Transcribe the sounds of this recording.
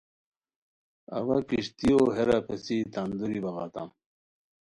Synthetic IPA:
ɐ̰vakiɕt̪ioɦeɾapʰesit̪and̪uɾibɐɣaːt̪a̰m

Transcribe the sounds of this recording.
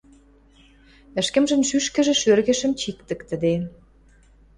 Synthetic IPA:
ə̆ʃkə̆mʒə̆mʃyʃkə̆ʒĕʃørɣĕʃə̆mt͡ɕik̚t̪ə̆kt̪ə̆d̪e

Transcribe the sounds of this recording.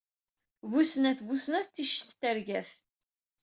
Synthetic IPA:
βusnæθvusnæθːiʃə̥θt̪ːəɾɡæθ

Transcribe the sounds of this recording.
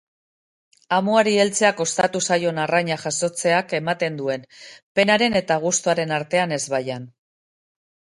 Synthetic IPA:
amuaɾie̞lt͡se̞ako̞st̪at̪usajo̞naraɲaʝaso̞t͡se̞ake̞mat̪e̞nd̪ue̞npe̞naɾe̞ne̞t̪aɣ̞ust̪oaɾe̞naɾt̪e̞ane̞zβajan

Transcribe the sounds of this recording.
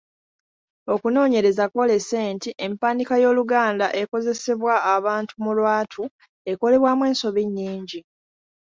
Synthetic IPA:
o̞kuno̞ːɲe̞ɾe̞zako̞leseːntiʔempaːndikajo̞ːluɡaːndaʔe̞ko̞ze̞se̞βwaːβaːntumulwaːtʰu | e̞ko̞le̞βwamwe̞ːnso̞βiɲːiːɲɟi

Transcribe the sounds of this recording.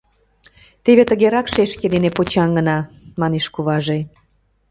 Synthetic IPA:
t̪eβet̪əɣeɾɑkʃeʃked̪enepot͡ɕɑŋɡənɑ | mɑneʃkuβɑʒe

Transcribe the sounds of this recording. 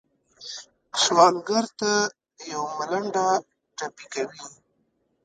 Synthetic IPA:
swɑlɡaɾt̪a | jawmalaɳɖa | ʈapikawi

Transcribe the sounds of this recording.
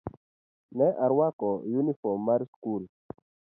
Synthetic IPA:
nɛʔaɾwakɔjunifɔmːaɾskul

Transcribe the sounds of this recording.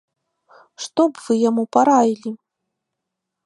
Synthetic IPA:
ʂt̪ɔbvɨjamupaɾajʲilʲi

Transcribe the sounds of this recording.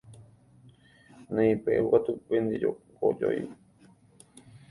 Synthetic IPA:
nẽĩpḛukat̪upẽnd̪ed͡ʒokod͡ʒo̰j

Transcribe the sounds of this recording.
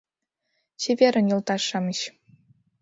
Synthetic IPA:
t͡ɕevʲeɾʲɘ̆njɤ̆lˠt̪ɑʂːɑmɘɕ

